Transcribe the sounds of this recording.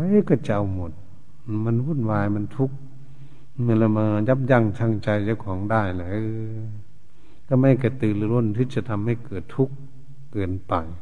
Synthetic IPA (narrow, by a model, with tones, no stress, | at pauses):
a˧˦˧ka˧˩t͡ɕa˧˨wmo˨˩t̪̚ | ma˧˥˨nbuː˧˥˨nwaː˧jma˧˥˨nt̪ʰu˧˥k̚ | mɯ˧˨la˧˩maː˧ja˧˥p̚ja˧˩ŋsʰa˧˩˨ŋt͡ɕa˧jt͡ɕa˧˩kʰɔː˨˧˦ŋdaː˧˩jla˧˦ɯː˧ | ka˧˩ma˧˩jka˧˩t̪ɯː˨lɯ˧lo˧˩˨nt̪ʰɯ˧˥t͡ɕa˧˩t̪ʰa˧mːa˧˩jkɤː˨˩t̪ʰːu˧˥k̚ː | ɤː˨˩npa˨˩j